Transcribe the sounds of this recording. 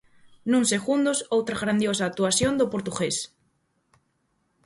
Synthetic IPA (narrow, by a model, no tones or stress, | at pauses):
nũŋseɣund̪osowt̪ɾaɣɾand̪josaːk̚t̪uasjond̪opoɾt̪uɣes